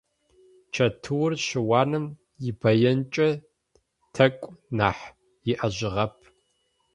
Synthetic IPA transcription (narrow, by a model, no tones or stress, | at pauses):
t͡ʃʰɐtʰɨwʊrɕɪwɑːnɨm | jɪbɐjɐnt͡ʃʼɐ | tʰɐkʷʼnaːħ | jɪʔɐʑɪʁɐpʰ